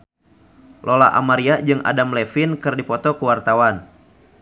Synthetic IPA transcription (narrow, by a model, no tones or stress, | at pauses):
lʔola̰ʔa̰maɾiad͡ʒɨŋa̰damlɛfɪnkɨrdipɔt̪ɔkuwart̪awan